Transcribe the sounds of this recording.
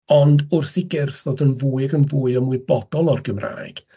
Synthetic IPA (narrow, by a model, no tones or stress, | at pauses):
ɔndʊrθiɡɪrθðoːdənvuːɨɡənvuːɨɔmuɨbɔd̥ɔlˠɔrɡəmra̰ːjɡ̥